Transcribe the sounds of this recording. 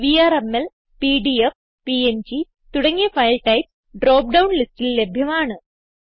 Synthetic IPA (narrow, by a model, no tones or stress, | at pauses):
ʋiaːɾemel | piːɖief | piend͡ʑi | t̪uɽɐŋːifɐjlʈɐjps | ɖɾoːp̚ɖɐwnlistilːebʱjɐmaːɳɨ